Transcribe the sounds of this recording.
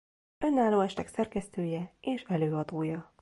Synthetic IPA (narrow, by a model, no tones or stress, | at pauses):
ø̞nːaːlːoːɛʃt̪ɛksɛrkɛst̪øːjɛeːʃɛløːɒd̪oːjɒ